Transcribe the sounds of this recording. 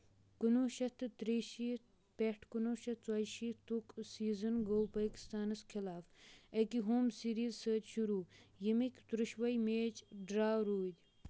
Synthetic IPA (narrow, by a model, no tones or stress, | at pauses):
kunuːʃɐt̪ɨt̪ɾiʃi | peʈʰkunoːʃɐt͡swaːʃit̪uksiːzɐnɡoːwpaːki̥st̪aːnɐskʰilaːfɐkiɦoːmsiɾiːzsəːt̪ʃuɾuːjimikʲt̪ɾuʃʋɐjmeːt͡ʃɖɾaːwɾuːd̪ʲ